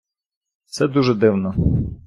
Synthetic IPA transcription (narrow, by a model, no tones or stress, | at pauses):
t̪sɛd̪uʒɛd̪ɪwnɔ